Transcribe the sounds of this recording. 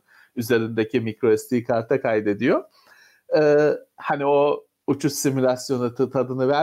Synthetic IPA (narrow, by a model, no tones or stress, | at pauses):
yze̞ɾind̪e̞cʰimikɾoɛst̪ʰiːkʰaɾt̪ʰakʰajd̪e̞d̪ijo̞ | ɛːhanio̞ | ut͡ʃʰussimylʲasjo̞nɯt̪t̪ʰad̪ɯnɯvæ